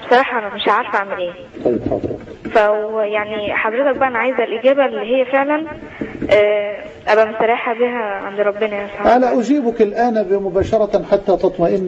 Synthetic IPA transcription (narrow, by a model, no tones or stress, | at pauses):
besˤɑɾɑːħɑʔænæmeʃʕaɾfʔaʕmelʔeː | t̪ˤɑjːebxɑ̰d̪ˤɾɑ̰fæwjaʕniħɑd̪ˤɾet̪æk̚bæʔænʕajzælʔeɡæːbælːiːɦejːæfeʕlæn | ʔæː | ʔæbæmosæɾˤɑːħæbiɦæʕand̪ɾˤɑbːenæjæsaʔænæʔʊd͡ʒiːbʊkelʔæːnæbɪmʊbæːʃɑɾˤɑħat̪ːæːt̪ɑt̪ˤmɑʔɪnː